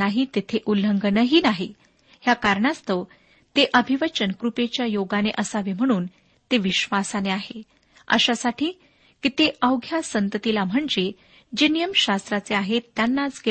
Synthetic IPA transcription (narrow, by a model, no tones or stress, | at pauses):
aɦit̪et̪ʰeʔuləŋɡənəɦinaɦe | ɦjakaɾɳast̪ə | t̪eʔəbʱiʋət͡ɕənkɾupet͡ɕjajoɡaneʔəsaʋem̤əɽ̃uːn | t̪eʋiɕʋasaneaɦe | ə̰ɕasaʈʰiː | kit̪eʔəwɡʱjasənt̪ət̪ilam̤əɳd͡ʑe | d͡ʑenijəmɕast̪ɾat͡seaɦet̪ːjanːat͡sɡe